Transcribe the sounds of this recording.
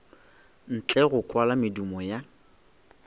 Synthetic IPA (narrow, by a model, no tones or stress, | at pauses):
n̩t͡ɬʼɛɣʊkʼwalamɪdumɔja